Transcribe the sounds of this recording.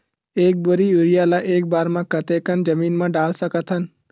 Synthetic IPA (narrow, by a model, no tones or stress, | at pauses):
eːk̚bʊɾiʊɾijalaʔeːk̚baːɾmãkət̪ekənd͡ʒəmiːnmãɖaːlsəkət̪ɦən